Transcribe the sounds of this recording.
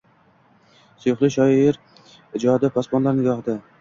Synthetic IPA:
sʊjʊχlˠɪʃɒɪɾ | ɪd͡ʒɒad̪apʰɒspɒnlˠaɾnɪɡɒχd̪a

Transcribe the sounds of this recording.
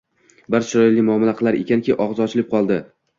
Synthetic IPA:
bɪɾʃɪɾɒjlimʊamɪlaqʰɨlˠaɾekʲankʲiʔɒʁzɒt͡ʃʰɪlɪp̚qʰɒlˠd̪ɪ

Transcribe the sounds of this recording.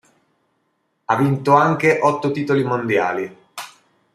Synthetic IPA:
avːint̪oaŋk̟eʔɔt̪ːot̪iːt̪olimond̪ja̰ːli

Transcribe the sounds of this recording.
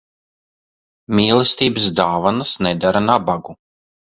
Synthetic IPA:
mʲiːlˠɛst̪iːbəsd̪aːvanasnɛd̪aɾanabaɡu

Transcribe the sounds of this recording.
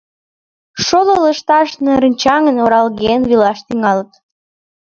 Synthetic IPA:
ʃololəʃt̪ɑʃneɾənʲt͡ɕɑŋənoɾɑlɣenβilɑʃt̪iŋɑlət̪

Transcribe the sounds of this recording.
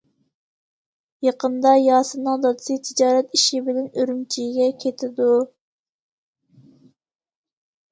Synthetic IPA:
jɑqʰənd̪ɑjɑːsɨnɨŋd̪ɑd̪ɨsɨt̪ʰid͡ʒɑːɾɛt̪iʃibɪlɛnøɾymt͡ʃʰijɡʲɛkʲʰet̪ʰɪd̪u

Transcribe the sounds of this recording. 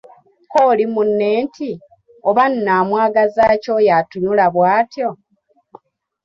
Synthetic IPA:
koːlimunːe̞ːntʰi | oβanːaːmwaːɡazaːco̞jatuɲulaβwaːtjo̞

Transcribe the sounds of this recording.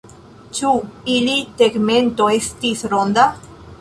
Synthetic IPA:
t͡ʃuiliteɡme̞nto̞e̞stisɾond̪a

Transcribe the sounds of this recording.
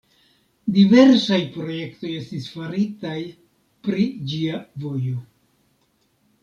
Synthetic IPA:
dive̞ɾsajpɾo̞je̞kto̞je̞stisfaɾitaj | pɾid͡ʒiavo̞jo̞

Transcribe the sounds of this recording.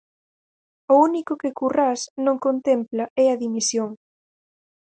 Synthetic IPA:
ʊunikʊkɪkurasnõŋkont̪emplɐʔɛɐðimisjoŋ

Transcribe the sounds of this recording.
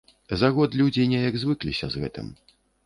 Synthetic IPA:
zaɣɔt̪lʲud͡zʲinʲɛjɐɡzvɨklʲḭsʲɐ̰zɣɛ̰t̪ɨ̰m

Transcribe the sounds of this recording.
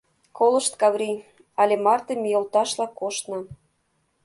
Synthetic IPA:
kolɤ̆ʃt̪kɑβɾʲi | ɑlʲemɑrt̪emʲijolt̪ɑʃlɑkːoʃt̪nɤ̆

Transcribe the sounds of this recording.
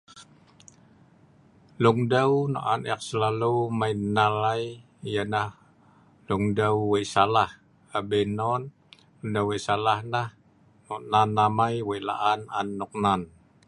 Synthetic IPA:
luŋdawna̰ʔanɛak̚səlalumajnːalaj | janah | luŋdawwesalah | abɛnɔn | luŋdawesalahnah | nɔʔnanːamajwela̰ʔananːuk̚nan

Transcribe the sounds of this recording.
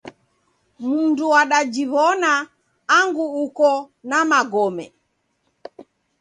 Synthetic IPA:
munduaɗad͡ʒiβɔnaː | ŋɡuukɔnamaɡɔmɛ

